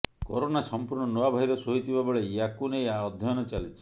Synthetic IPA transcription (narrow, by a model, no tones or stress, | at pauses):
kɔ̰ɾonasɔmpuɾɳɔnɔabʱaɦiɾɔsoɦit̪ʰibabɔɭeiakunejaɔd̪ʱːjɔjnɔt͡ʃalit͡ʃʰi̥